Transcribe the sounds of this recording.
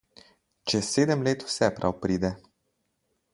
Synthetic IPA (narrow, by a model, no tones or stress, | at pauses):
t͡ʃesed̪əmlet̪u̥sɛpɾʔawpɾid̪e